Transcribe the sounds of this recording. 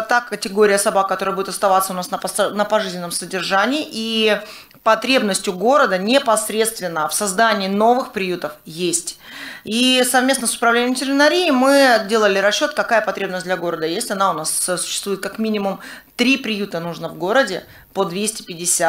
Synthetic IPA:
t̪akətʲɪɡo̞ɾʲɪjəsɐbak̚kːɐt̪oɾəbudʲɪt̪ɐst̪ɐvat̪səʊnasnpnəpɐʐɨzʲnʲɪnəmsədʲɪrʐanʲɪːʔi | pɐt̪ɾʲe̞bnəsʲtʲjʊɡo̞ɾəd̪ənʲɪpɐsɾʲe̞t̪st̪vʲɪnːəfsɐzd̪anʲɪːno̞vɨxpɾʲɪjut̪əfjesʲtʲ | isɐvmʲe̞snəsʊ̥pɾɐvlʲenʲɪəmtʲɪɾʲɪnɐɾʲijɪmɨdʲe̞lˠəlʲɪɾɐɕːo̞t̪kɐkajəpɐt̪ɾʲe̞bnəsʲd̪lʲɐɡo̞ɾəd̪əjesʲtʲɐnaʊnassʊ̥ɕːɪ̥st̪vujɪt̪̚kɐkmʲinʲɪmʊmt̪ɾʲipɾʲɪjut̪ənuʐnəvɡo̞ɾədʲɪ | pod̪vʲesʲtʲɪ̥pʲɪdʲɪsʲat̪

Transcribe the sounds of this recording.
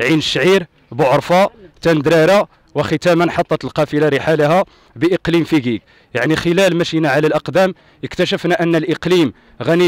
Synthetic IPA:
ʕinəʃːʕiɾ | bʊʕəɾˤfɑt̪ænd̪ɾæɾa | wəxət̪æmənħɑt̪ˤːɑt̪əlqɑfilaɾəħaləɦæ | bəʔəqlimfiɡik | jaʕnixəlælmæʃinaʕalælʔɑqd̪æm | əkt̪æʃəfnæʔənːəlʔəqlim | ɣæni

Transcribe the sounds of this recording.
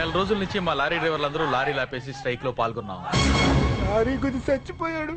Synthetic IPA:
ɛlɐɾo̞ːd͡ʒulɐnuɲt͡ʃimaːlaːɾiːɖɐjʋɐɾlɐnd̪ɐɾulaːɾiːlaːpe̞ːs̬isʈɐjkloːpaːlɡunːa̰ːm | laːɾiːɡud̪isɐt͡ʃːipɔːjaːɽu

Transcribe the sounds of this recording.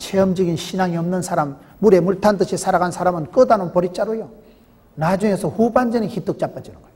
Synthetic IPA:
t͡ɕʰeʌmd͡ʑʌɡinɕʰinaŋiʌmnɯnsʰaɾamː | uɾe̞muɭtʰandɯɕʰisʰaɾaɣansʰaɾamɯnk͈ɯdanonpʌɾit͡ɕ͈aɾojo | nad͡ʑuŋe̞sʰʌhuband͡ʑeniçit͈ɯk̚t͡ɕ͈ap͈ad͡ʑinoɡojo

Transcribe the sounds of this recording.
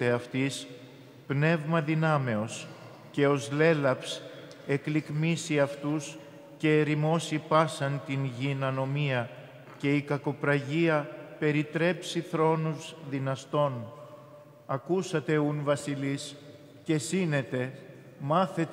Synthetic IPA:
eɐft̪is | pne̞vmɐðinɐme̞o̞s | ce̞o̞zle̞lɐps | e̞klikmisiɐft̪us | ce̞ːɾimo̞sipɐsɐnt̪inʝinɐno̞miɐ | ce̞ikɐko̞pɾɐʝiɐpe̞ɾit̪ɾe̞psiθɾo̞nuzðinɐst̪o̞n | ɐkusɐt̪e̞unvɐsilis | ce̞sine̞t̪e̞ | mɐθe̞t̪

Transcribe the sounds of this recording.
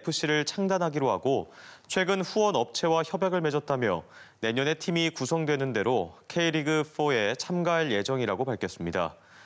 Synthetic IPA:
epʰɯɕ͈iɾɯɭt͡ɕʰaŋdanɦaɡiɾoɦaɡot͡ɕʰwe̞ɡɯnɸuwʌnʌp̚t͡ɕʰe̞waçjʌbjaɡɯɭme̞d͡ʑʌt̚t͈amjʌne̞ɲʌne̞tʰimikusʰʌŋdwe̞nɯnde̞ɾokʰeiɾiɡɯpʰoe̞t͡ɕʰamɡaɦaɭje̞d͡ʑʌŋiɾaɡopaɭkʰʌs͈ɯmɲida̰

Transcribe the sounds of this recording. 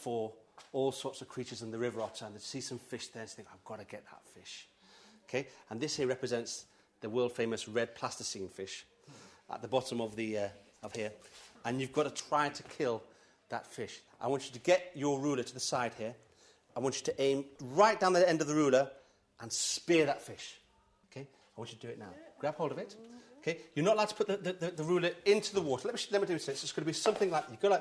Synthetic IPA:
fə˞ɔlˠsɔɹtsʌv̥kʰɹ̥it͡ʃə˞zə̃nðəɹɪvə˞ɑtə̃nðəɪsisʌ̃ɱfɪʃðə̃˞ntʰθɪ̃ŋkaɪvɡɑɾɨɡɛt̪̚ðə̰tfɪʃ | oʊkʰeɪə̃nðɪshiɹɛpɹɨzɛ̃nts | ðəwɜ˞lˠd̥fẽɪ̃mɨsɹɛd̚pʰl̥astəsĩnfɪʃ | ʔə̰t̪̚ðəbɑɾə̃mʌvðiʌ | ʌv̥hiɹə̃njʉvɡɑɾətʰɹ̥aɪtʰɨkʰɪlˠ | ðə̰tfɪʃʔa̰ɪwɑ̃nt͡ʃɨɾɨɡɛt͡ʃə˞ɹʉlˠə˞ɾʰəðəsaɪd̥̚hiɹ | aɪwɑ̃nt͡ʃɨɾɨʔẽɪ̃mɹaɪt̚d̥ãʊnðiɛ̃ndʌvðəɹʉlˠə˞ | ʔə̃nspɪɹðətfɪʃ | oʊkʰeɪ | aɪwɑ̃nt͡ʃɨɾʰɨdɨɪtⁿnaʊɡ̥ɹab̥hoʊlˠdʌvɪtoʊkʰeɪjənətlaɪʊtʰəpʰʊt̪̚ðɨððɨðəɹʉlˠə˞ɪ̃ntʰʉðəwɔɾə˞ɛt̚miʃlɪ̃mətɪsɪtsɪsɡ̥ʌnəbisʌ̃mθɪ̃ŋlaɪkjɨɡ̥oʊla

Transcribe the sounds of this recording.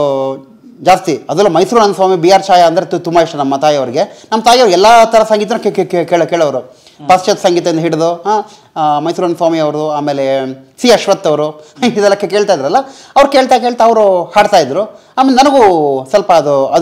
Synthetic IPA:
d͡ʒaːst̪iɐd̪ɐlːuːmɐjsuːɾɐnfaːmibiːaːɾt͡ʃaːjɐɐnd̪ɐɾet̪ut̪umbaːiʂʈunɐmːɐt̪aːjɐʋɐɾiɡe̞nɐmːɐt̪aːjɐʋɾuɛlːat̪ʰɐɾɐsɐŋɡiːt̪̬ɐnɐkːekekkeːɭkeːɭɐʋɐɾu | pɐst͡ʃɐt̪sɐŋɡiːt̪ɐind̪ɦiɽd̪uɦa | mɐjsuːɾɐnfaːmiɐʋɾuaːmeːlesiːɐʃʋɐt̪ːɐʋɾuid̪ɛlːɐkːeke̞ːɭt̪aːjd̪iɾɐlːɐɐʋɐɾke̞ːɭt̪akeːɭt̪aɐʋɾuhaːɖt̪aːjid̪ɾuaːmeːlenɐnɐɡusɐlpɐːd̪uɐ

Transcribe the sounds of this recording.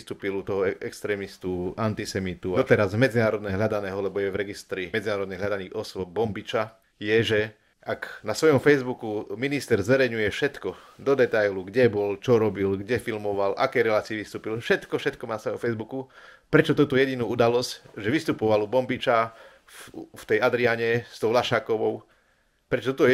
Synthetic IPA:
st̪uːpilut̪ɔɦɔɛɛkst̪ɾɛːmist̪uant̪isɛmit̪uɔt̪ɛɾazmɛd͡zinaːɾɔd̪nɛɦʎad̪anɛːɦɔlɛbɔjɛʋɾɛɡist̪ɾimɛd͡zinaːɾɔd̪nɛɦlʎad̪aniːɔsʋɔb̚bɔmbit͡ʃa | jɛʒɛ | ʔaknasʋɔjɔmfɛjzbukuminist̪ɛɾzʋɛɾɛjɲujɛfʃɛt̪kɔ | d̪ɔd̪ɛt̪ajluɡɟɛbɔlt͡ʃɔɾɔbilɡɟɛfilmɔʋalʔa̰kɛjɾɛlaːt͡siːʋist̪uːpilfʃɛt̪kɔfʃɛt̪kɔmanasʋɔjɔmfɛjzbuku | pɾɛt͡ʃɔt̪ɔt̪ɔjɛɟinuːud̪alɔscʒɛʋist̪upɔʋalubɔmbit͡ʃa | ft̪ɛjad̪ɾiaɲɛst̪ɔʊlaʃaːkɔʋɔʊ | pɾɛt͡ʃɔt̪ɔt̪ɔ

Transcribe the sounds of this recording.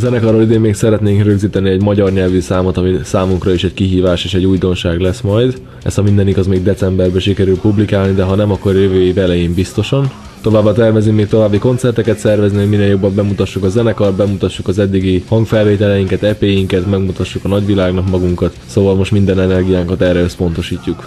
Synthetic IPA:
zɛnɛkɒroːlid̪eːmːeːksɛɾɛt̪neːŋkrø̞ɡziːt̪ɛniɛɟmɒɟɒrɲɛlvysaːmot̪ɒmisaːmuŋkrɒiʃɛckiɦiːvaːʃeːʃɛɟuːjd̪o̞nʃaːɡlɛsmɒjd̪ | ɛ̰sɒmind̪ɛniɡɒzmeːɡ̚d̪ɛt̪sɛmbɛrbɛʃikɛɾylpublikaːlnid̪ɛɦɒnɛmɒkːo̞rjøvøːvɛlɛjimbist̪o̞ʃɒn | t̪o̞vaːbːat̪ɛrvɛzymmeːk̚t̪o̞vaːbːiko̞nt̪sɛrt̪ɛkɛt̪sɛrvɛzniɦo̞ɟmineːljo̞bːɒmbɛmut̪ɒʃːukɒzɛnɛkɒt̪̚bɛmut̪ɒʃːukɒzɛd̪ːiɡihɒŋɡkfɛlveːt̪ɛlɛjiŋkɛt̪ɛpeːjiŋkɛt̪mɛɡmut̪ɒʃːukɒnɒɟvilaːɡnɒkmɒɡuŋkɒt̪soːvɒlmo̞ʃt̪mind̪ɛnɛnɛrɡijaːŋkɒt̪ɛrːɛø̞spo̞n̪t̪o̞ʃiːcːuk

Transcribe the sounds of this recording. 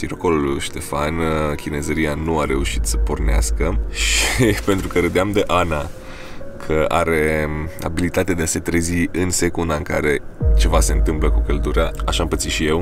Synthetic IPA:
siɾoko̞lulʃt̪e̞fankʲine̞zəɾianuaɾe̞uʃit̪sə̥po̞rnea̰skəʃʃipe̞nt̪ɾukəɾəd̪eamd̪e̞ʔana | kʰəʔa̰ɾe̞a̰bilit̪at̪ead̪ease̞t̪ɾeziɨnse̞kund̪aɨŋka̰ɾe̞t͡ʃe̞vase̞ɨnt̪ɨmpləkukəld̪uɾeaaʃampət̪siʃije̞w

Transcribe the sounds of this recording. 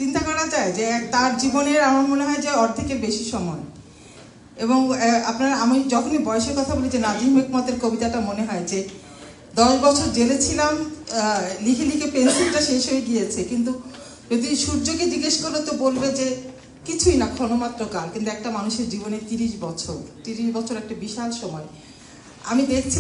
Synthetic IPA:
t͡ɕint̪akɔɾad͡ʑaed͡ʑet̪aɾd͡ʑiboneɾamaɾmoneɦɔed͡ʑeɔɾd̪ʱikeɾbeʃiʃɔmɔe | eboŋapnaɾamid͡ʑɔkʰonibɔeʃeɾkɔt̪ʰabolid͡ʑenad̪imekmat̪eɾkobit̪aʈamoneɦɔed͡ʑe | d̪ɔʃbɔt͡ɕʰoɾd͡ʑelet͡ɕʰilam | likʰelikʰepensilʈaʃeʃɦoeɡijet͡ɕʰekint̪u | d͡ʑod̪iʃuɾd͡ʑoked͡ʑiɡeʃkoɾet̪obolbed͡ʑe | kit͡ɕʰujnakʰɔnomat̪ːɾokalkint̪uɛk̚ʈamanuʃeɾd͡ʑibonet̪iɾiʃbɔt͡ɕʰoɾt̪iɾiʃbɔt͡ɕʰoɾɛk̚ʈabiʃalʃɔmɔe | a̰mid̪ekʰt͡ɕʰi

